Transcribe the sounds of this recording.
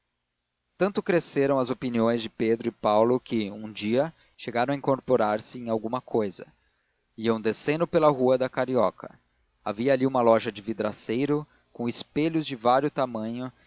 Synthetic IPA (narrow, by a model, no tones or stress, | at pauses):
t̪ɐ̃nt̪ʊkɾeseɾɐ̃w̃ɐzopiniõj̃zd͡ʒɪped̪ɾʊɪpawlʊkɪũd͡ʒiɐ | ʃeɡaɾɐ̃w̃ɐĩŋkoɾpoɾaɾsɪẽj̃awɡũmɐkʰojzɐ̰ | iɐ̃w̃d̪esẽnʊpelɐɦuɐd̪ɐkaɾiɔkɐ̰ | aviɐːliũmɐlɔʒɐd͡ʒɪvid̪ɾasejɾʊ | kõw̃ɪspeʎʊzd͡ʒɪvaɾjʊt̪amɐ̃ɲʊ